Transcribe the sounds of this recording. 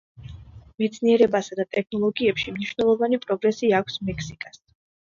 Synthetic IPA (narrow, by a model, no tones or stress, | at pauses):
mɛt̪sʰniɛɾɛbasad̪at̪ʼɛk̚ʰnɔlˠɔɡiɛpʃimniʃwvnɛlˠɔvanipʼɾɔɡɾɛsiakʷʰsmɛkʰsikʼas